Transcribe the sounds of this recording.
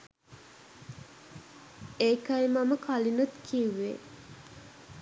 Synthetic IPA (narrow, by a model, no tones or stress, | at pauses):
eːkɐjmɐməkʰɐlinut̪kʰiʋːḛ